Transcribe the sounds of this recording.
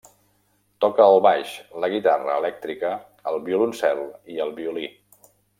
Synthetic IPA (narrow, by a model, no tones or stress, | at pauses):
t̪ɔkəːlˠβaʃləɣit̪arə̰ːlɛk̚t̪ɾikəː | lˠβiulunsɛlˠiəlˠβiuli